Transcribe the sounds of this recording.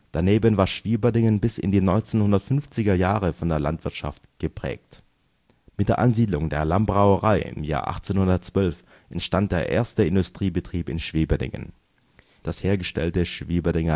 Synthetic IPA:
d̥aneːbənvaːɐʃv̥iːbɐdɪŋənbɪsɪ̰ndiːnɔʏnt͡seːnhʊndɐtfʏnft͡sɪɡɐjaːʁəfɔndeːɐla̰ntv̥ɪɐtʃa̰ftɡ̥əpʁ̥ɛ̰ːk̚t | mɪt̚d̥eːɐʔanziːdlʊŋdeːɐlambʁaʊəʁaɪɪ̰mja̰ːɐʔa̰χt͡seːnhʊndɐtt͡sv̥œlf | ʔɛntʃtant̚d̥eːɐʔḛːɐstəɪndʊstʁ̥iːbətʁ̥iːpɪnʃv̥eːbədɪ̰ŋə̰n | d̥asheːɐɡəʃtɛ̰ltəʃv̥iːbədɪŋɐ

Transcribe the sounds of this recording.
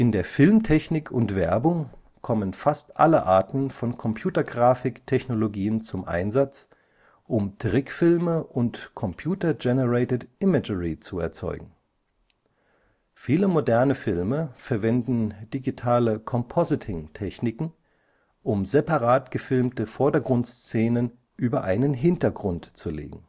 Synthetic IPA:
ʔɪndeːɐfɪlmtʰɛçnɪkʰʊntv̥ɛɐbʊŋ | kʰɔmənfastʔa̰ləʔa̰ɐtn̩fɔnkʰɔmpʰj̥uːtɐɡʁaːfɪktʰɛçnoloɡiːənt͡sʊmʔa̰ɪnzat͡s | ʔʊmtʁɪkfɪlməʔʊntkʰɔmpʰj̥uːtɐd͡ʒɛnəʁɛɪtətʔɪməd͡ʒəʁit͡suɛ̰ɐt͡sɔ̰ʏɡŋ̩ | fiːləmodɛɐnəfɪlməfɛɐvɛndn̩d̥iɡitʰaːləkʰɔmpʰɔzɪtʰɪŋtʰɛçnɪkŋ̩ | ʔʊmzepaʁaːtɡ̥əfɪlmtəfɔɐdɐɡʁʊntst͡seːnən | ʔyːbɐʔaɪnənɦɪntɐɡʁʊntt͡sulḛːɡŋ̩

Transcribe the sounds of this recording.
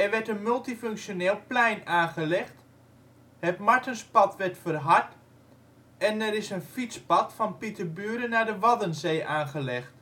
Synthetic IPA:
ɛrʋɛɹtənmɵlˠtiføŋksjoneːlˠplɛjnaːχəlɛxt | hɛpmaɹtənspɑtʋɛɹtfərɦaɹt | ɛnɛɾɪsənfit͡spɑtfɔnpitʰəbyəɾənadəʋɑdənzeːʔaːnɣəlɛxt

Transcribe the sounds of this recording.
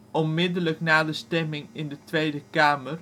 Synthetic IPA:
ɔnmɪdələknaːdəstɛmɪŋɪndətʋejdəkaːmər

